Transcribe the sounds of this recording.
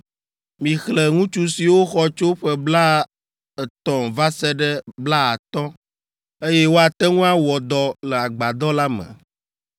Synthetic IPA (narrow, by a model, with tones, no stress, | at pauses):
mĩ˨xlɛ˨ŋũ˦t͡ʃu˦si˨wo˦xɔ˦t͡ʃo˦ɸɛ˦bla˦ | ɛ˨t̪ɔ̃˨va˦sɛ˦ɖɛ˦bla˦a˨t̪ɔ̃˦ | e˦jɛ˦wo˦a˨t̪ɛ˦ŋũ˦a˦wɔ˨d̪ɔ˨lɛ˨a˨ɡ͡ba˨d̪ɔ˦la˦mɛ̰̃˨